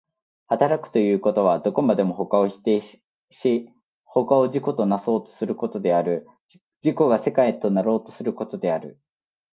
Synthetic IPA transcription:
hat̪aɾakɯ̟̥t̪o̞jɯ̟ːko̞t̪o̞β̞ad̪o̞ko̞mad̪e̞mo̞ɦo̞kao̞çi̥t̪eː | ɕi | ho̞kao̞ʑiko̞t̪o̞naso̞ːt̪o̞̥sɨɾɯ̟ko̞t̪o̞d̪e̞aɾɯ̟ | d͡ʑiko̞ɡase̞kait̪o̞naɾo̞ːt̪o̞sɨɾɯ̟ko̞t̪o̞d̪e̞aɾɯ̟

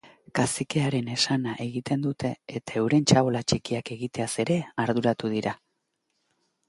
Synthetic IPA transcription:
kaseke̞aɾe̞ne̞sanaʔe̞ɣit̪e̞nd̪ut̪e̞ːt̪ae̞wɾe̞nt͡ʃaβolat͡ʃikiake̞ɣit̪e̞ase̞ɾe̞aɾðuɾat̪uðiɾa

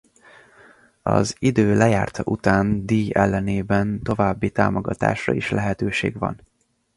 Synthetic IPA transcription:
ɒzid̪øːlɛjaːrt̪ʰɒʔut̪aːnd̪iːjɛlːɛneːbɛnt̪o̞vaːbːit̪a̰ːmoɡɒt̪a̰ːʃrɒiʃlɛɦɛt̪øːʃḛːɡʋɒ̰n

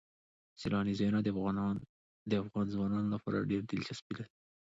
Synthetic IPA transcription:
silɑnizajnad̪ | d̪əafɣɑnzwɑnɑnolapɑ̰ɾa̰ɖeɾd̪ɪlt͡ʃasbid̪ad̪i

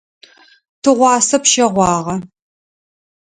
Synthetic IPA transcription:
tʰɨʁʷɑːsɐpʃɐʁʷɑːʁɐ

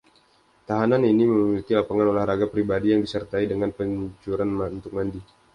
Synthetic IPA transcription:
t̪aɦananiniməmilik̪ilapaŋanolahɾaɡapɾibadijaŋdisərt̪aidəŋanpəɲt͡ʃuɾanmaunt̪ʊk̚mandi

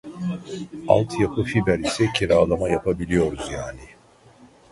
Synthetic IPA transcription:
a̰lˠt̪ʰjapʰɯfibæɾisɛcʰeɾaːd̪ˠamajapʰabilʲijo̞ɾuzjaːni

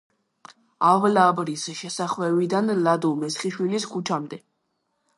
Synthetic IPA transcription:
avlabɾisʃɛsaχwɛvid̪anlad̪ɔmɛsχiʃwiliskʰut͡ʃʰamd̪ɛ

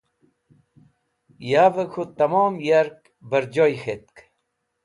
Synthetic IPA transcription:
jaːvəkʰot̪ɐmoːmjaɾk | bɐɾd͡ʑojxet̪̚k

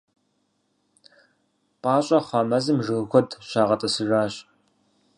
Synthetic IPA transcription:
pʼɑːɕʼɐχʷɑːmɐzɨmʒɨɣxʷɔdɕaːʁɐtʼɐsɨʒaːɕ

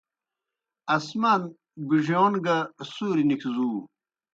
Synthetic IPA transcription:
ɐsman | biʐjoːnɡasuːɾinikʰzuː

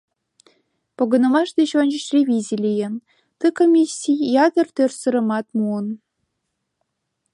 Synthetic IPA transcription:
poɣə̆nə̆mɑʃd̪et͡ɕonʲt͡ɕə̆ɕrʲeβʲizʲilʲijə̆n | t̪əkomʲisʲijjɑd̪ə̆rt̪ørsə̆ɾə̆mɑt̪̚muən

